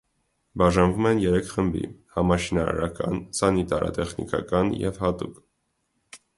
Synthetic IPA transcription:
bɑʒɑnvumɛnjɛɾɛkʰχəmbḭhɑmɑʃinɑɾɑ̰ɾɑkɑ̰nsɑnit̪ɑɾʔɑ̰t̪ɛχnḭkɑ̰kɑnjɛ̰vhɑt̪uk

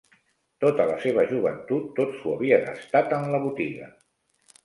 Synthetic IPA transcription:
t̪ot̪ələseβ̞əʒuβənt̪ut̪ːosuəβiənə̰st̪at̪ənləβ̞ut̪iɣə̰

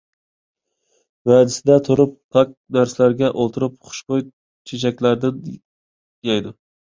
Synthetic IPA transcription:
vad̪ɪsɪd̪at̪ʰʊɾɪp̚pʰak̚naɾslaɾɡʲaʔolˠt̪ʰɪɾɪp̚χʊ̥ʃqoj | t͡ʃʰet͡ʃʰakʲlaɾd̪ɪn | jajd̪ʊ

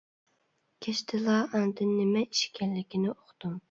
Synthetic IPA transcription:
kʲʰeʃt̪ʰɪlˠɑːʔɑnd̪ɪnːɪmɛiʃkʲʰɛllɪkʲinɪoqt̪um

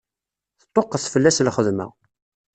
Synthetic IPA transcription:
θə̥t̪ˤːoqːəθfəlːæslχəðmæ̰

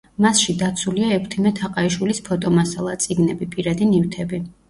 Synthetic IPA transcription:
masʃid̪at̪sʰuliaɛkʰt̪ʰimɛt̪ʰaqʼaiʃwilispʰɔt̪ʼɔmasalˠat̪sʼiɡnɛbipʼiɾad̪inift̪ʰɛbi

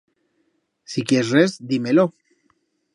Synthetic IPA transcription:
sikjerrezd̪imelo

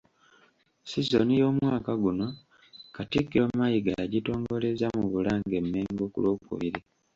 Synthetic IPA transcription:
sizonijo̞ːmwaːkaɡuno̞ | katikːiomajiɡaaɟito̞ːŋɡo̞le̞zamuβulaːŋɡe̞mːeːŋɡokṵlo̞ːkṵβiɾi

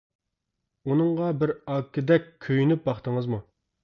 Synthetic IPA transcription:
unɨŋʁɑbɪɾɑkːɪd̪ɛkʲʰːøjynyp̚bɑχt̪ʰəŋɨzmu

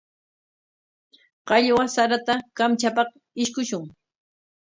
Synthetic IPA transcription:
qɑʎwasaɾat̪akamt͡ʃapɑχ | ɪʃkʊʃʊŋ

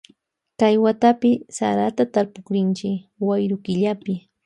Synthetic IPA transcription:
kajwat̪apɪsa̰ɾat̪at̪aɾpʊkɾɪnt͡ʃɪwajɾʊkɪʎapɪ

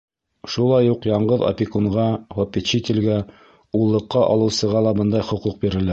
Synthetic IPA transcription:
ʃulˠɑjuqjɑɴɢɤðɐ̰pʲikuɴʁɑvopʲːɪt̪ɕit̪ʲɘlɡæ | ulˠːɤ̆qːɑʔɑ̰lˠɤ̆wsɤ̆ʁɑlˠɑbɤnd̪ɑjχŏquq̚biɾɘ̆læ

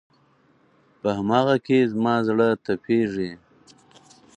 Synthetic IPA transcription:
pəhamɑːɣakezmɑzɽət̪apʰeʐe

